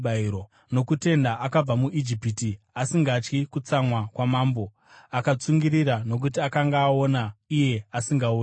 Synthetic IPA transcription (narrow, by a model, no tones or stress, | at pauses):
aiɾo | no̞kute̞ndaʔakab͡vamuʔid͡ʒipiti | asiŋɡat͡ʃkikut͡samwakwamaːmbo̞ | akat͡suŋɡiɾiɾano̞k̬utiakaŋɡaːo̞naije̞asiŋɡau